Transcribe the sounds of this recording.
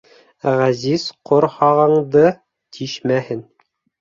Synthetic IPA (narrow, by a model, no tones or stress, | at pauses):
ʁæziz̥qʰŏɾhɑʁɤ̆ɴd̪ɤ | t̪ʰiʃmæhɘn